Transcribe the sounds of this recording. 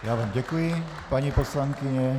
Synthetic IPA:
jaːʋaːmɟɛkujɪ | paɲiposlaŋkɪɲɛ

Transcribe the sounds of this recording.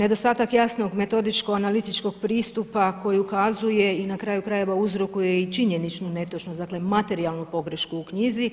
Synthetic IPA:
ne̞d̪o̞st̪aːt̪akjasno̞ɡme̞t̪o̞d̪it͡ʃko̞analit̪it͡ʃko̞ɡ̚pɾiːst̪upakʰo̞jiukazuje̞inakɾaːjukɾaje̞ʋauzɾo̞kuje̞it͡ʃiɲe̞nit͡ʃnune̞t̪ot͡ʃnozd̪akle̞mat̪e̞ɾialˠnupo̞ɡɾe̞ʃkuːkɲizi

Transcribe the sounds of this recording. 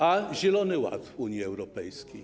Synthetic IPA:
aʑɛlɔnɘwa̰t̪uɲjiɛwɾɔpɛjskʲej

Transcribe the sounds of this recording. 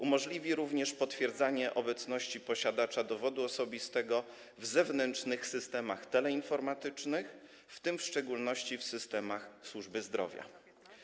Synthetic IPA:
ʔumɔʐlʲivʲiɾuvɲɛʂpɔt̪fʲjɛɾd̪zaɲɛʔɔbɛt̪snɔɕt͡ɕipɔɕad̪at͡ʂad̪ɔvɔd̪uɔsɔbʲist̪ɛɡɔ | vzɛvnɛnt͡ʂnɘxsɘst̪ɛmaxt̪ɛlɛinfɔɾmat̪ɘt͡ʂnɘx | ft̪ɘmfʂt͡ʂɛɡulnɔɕt͡ɕifsɘst̪ɛmaxswuʐbɘzd̪ɾɔ̰vʲja̰

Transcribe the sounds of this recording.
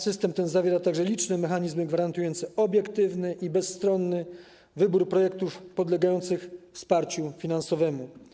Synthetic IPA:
sɘst̪ɛmt̪ɛnzavʲjɛɾat̪aɡʐɛlʲit͡ʂnɛmɛxaɲizmɘɡvaɾant̪ujɔnt̪sɛʔɔbʲjɛkt̪ɘvnɘʔibɛsːt̪ɾɔnːɘ | vɘbuɾpɾɔjɛkt̪ufpɔd̪lɛɡajɔnt̪sɘxfspaɾt͡ɕufʲinansɔvɛmu

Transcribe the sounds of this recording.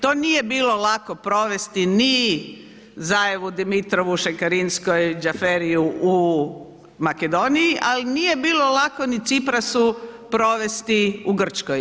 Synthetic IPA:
t̪o̞ːnije̞biːlolakopɾo̞ʋe̞st̪ini | zajeʋud̪imit̪ɾoʋuʃekaɾinskojd͡ʒafeɾijuu | maked̪o̞nijiʔalinije̞biːlolakonit̪sipɾasupɾo̞ʋe̞st̪iuɡr̩t͡ʃkoj

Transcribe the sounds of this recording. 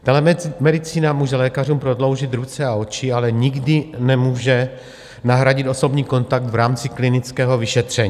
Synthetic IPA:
t̪alɛmɛdɪt͡siːnamuːʒɛlɛːkar̝uːmpɾo̞dlo̞wʒɪt̪ɾut͡sɛao̞t͡ʃɪalɛɲɪɡdɪnɛmuːʒɛ | naɦɾaɟɪt̪o̞so̞bɲiːko̞nt̪ak̚t̪vɾaːmt͡sɪklɪnɪt͡skɛːɦo̞vɪʃɛt̪r̝̥ɛɲiː

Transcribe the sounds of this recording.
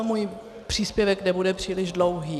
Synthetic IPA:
muj | pr̥iːspjɛvɛknɛbudɛpr̥iːlɪʒdlowɦiː

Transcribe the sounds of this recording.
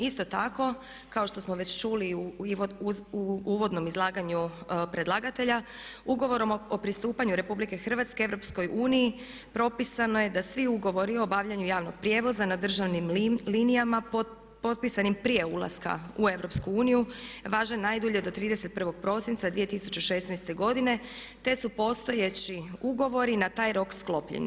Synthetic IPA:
ist̪o̞t̪ako̞ | kao̞ʃt̪o̞smoʋet͡ɕt͡ʃuliuouuʋo̞d̪no̞mizlˠaːɡaɲupɾe̞d̪lˠaɡat̪e̞ʎa | uɡo̞ʋo̞ɾo̞mopɾist̪uːpaɲuɾe̞publike̞xr̩ʋat̪ske̞eʋɾo̞psko̞jʔuːniji | pɾo̞pisano̞je̞d̪asʋiuɡo̞ʋo̞ɾio̞baʋʎaɲujaːʋnoɡ̥̚pɾʲje̞ːʋo̞zanad̪r̩ʒaʋnimlinijama | po̞t̪̚pisanimpɾije̞ulˠa̰ska̰ue̞ʋɾo̞pskuuːnijuʋaːʒenːajd̪uʎed̪o̞t̪ɾiːd̪ese̞t̪̚pr̩ʋo̞ɡ̚pɾo̞sint̪ad̪ʋije̞t̪isu̥t͡ɕeʃe̞snɛjst̪e̞ɡo̞d̪ine̞ | t̪e̞supo̞st̪o̞jet͡ɕiuɡo̞ʋo̞ɾinat̪aːjɾo̞ksklˠo̞pʎḛɲ̰

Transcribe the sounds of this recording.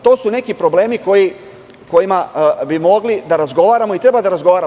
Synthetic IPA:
t̪o̞ːsune̞kipɾo̞ble̞ːmiko̞ji | ko̞jimabimo̞ɡlid̪aɾazɡo̞ʋaːɾamoit̪ɾe̞bad̪aɾazɡo̞ʋaːɾa

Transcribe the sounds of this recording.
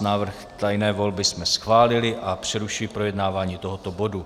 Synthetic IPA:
naːvr̩xt̪ajnɛːvo̞lbɪsmɛsxvaːlɪlɪʔapr̝̥ɛɾuʃɪlɪpɾo̞jɛdnaːvaːɲiːt̪o̞ɦot̪o̞bo̞du

